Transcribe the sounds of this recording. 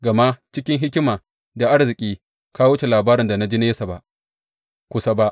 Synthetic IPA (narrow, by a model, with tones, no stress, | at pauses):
ɡɐ˨ma˦ʔt͡ʃɪ˦kʲɪ˦ŋɦɪ˦kʲɪ˦maː˨ | da˨ʔa˦ɽzɪ˨kʲʼiː˦ | ka˦wʊ˦t͡ʃe˨laː˨baː˦ɾɪ˨nda˨na˦d͡ʒi˦neː˦sa˨ba˦ʔ | kʷʊ˨sa˦ba˦ʔ